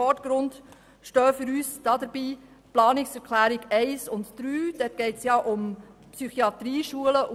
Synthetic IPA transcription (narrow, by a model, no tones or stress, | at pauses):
ɔtɡ̥ɾʊnd | ʃtœːfʏɾyːsd̥ɑːd̥əɾbiː | plɑːnɪksɛɾkʰlæːɾiɡɛɪsʊntd̥ɾyːd̥ɛt̚ɡ̥ɛɪtsjɑʔʊmpsyχiɑt̪ɾiːʃuələʔ